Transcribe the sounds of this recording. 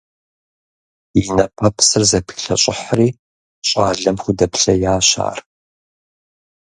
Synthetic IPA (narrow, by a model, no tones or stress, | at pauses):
jɪnɐpʰɐpʰsɨrzɐpʰxɬɐɕʼɪħriː | ɕʼaːɮɐmxʷʊdɐpɬɐjaːɕa̰ːr